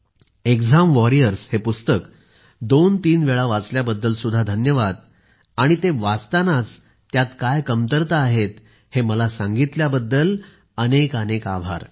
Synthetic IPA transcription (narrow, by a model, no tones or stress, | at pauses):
ekd͡zamʋɔɾijəɾshepust̪ək | d̪ont̪iːnʋeɭaʋat͡sljabəd̪ːəlsud̪ʱːad̪ʱənjəʋad̪̚ | aɽ̃it̪eʋat͡st̪anat͡s | t̪ːjat̪kajkəmt̪əɾt̪aːɦet̪ | heməlasãŋɡit̪ljabəd̪ːəl | ənekəneka̰bʱa̰ɾ